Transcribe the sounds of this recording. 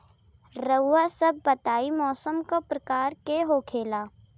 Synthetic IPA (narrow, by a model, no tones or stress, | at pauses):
ɾəːasɐb̚ːɐt̪aːimɔːsəmkopɾɐkaːɾkeɦokʰeːlaː